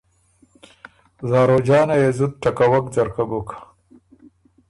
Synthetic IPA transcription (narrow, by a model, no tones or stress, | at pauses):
zɑːɾoːd͡ʒɑːnajezud̪̚ʈakawɐk̚d͡zɐɾkabokḁ